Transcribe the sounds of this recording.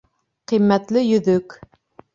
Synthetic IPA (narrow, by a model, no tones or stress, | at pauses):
qimːæt̪lɪjɵðɵk